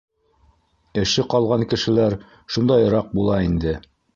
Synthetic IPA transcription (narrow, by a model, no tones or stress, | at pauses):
ɘ̆ʃɘqɑlˠʁɑŋkɘ̆ʃɘ̆læɾ | ʃund̪ɑj̆ɾɑq̚bulˠɑind̪ɘ